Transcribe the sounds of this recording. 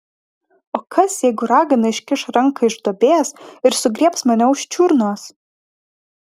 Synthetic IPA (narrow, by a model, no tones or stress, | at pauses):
oːkɐsjɛɪɡʊɾɑːɡɐnɐɪʃʲkʲɪʃɾɐŋkɐɪʒd̪oːbʲeːsɪɾsʊɡɾʲiɛpsmɐnʲɛʊʃʲt͡ʃʲuɾnoːs